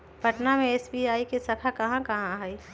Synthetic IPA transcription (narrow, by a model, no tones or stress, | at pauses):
pɐʈnamẽeːsbiaːikesɐkʰakɐɦãkɐɦãɦɛi